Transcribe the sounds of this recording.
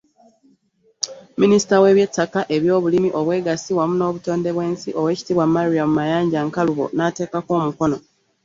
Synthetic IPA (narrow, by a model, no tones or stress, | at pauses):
minisi̥tawe̞βje̞tːakaʔe̞βjo̞ːβulimiʔo̞βwe̞ːɡasiwamuno̞ːβuto̞ːnde̞βwe̞ːnsiʔo̞we̞ːci̥tiβwammaɾiamumajaːɲɟaŋkaluβo̞̰nate̞ːkako̞ːmuko̞no̞